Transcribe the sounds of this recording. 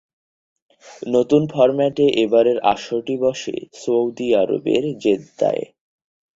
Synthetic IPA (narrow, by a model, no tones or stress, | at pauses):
not̪unfʰɔɾmɛʈeʔebaɾeɾa̰ʃoʈibɔʃḛsowd̪iaɾo̰bḛɾd͡ʑet̪ːa̰e